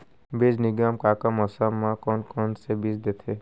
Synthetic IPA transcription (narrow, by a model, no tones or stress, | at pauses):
beːd͡ʒnɪɡaːmkaːkamɔsamːãkɔnkɔnsebid͡ʒd̪eːt̪ʰe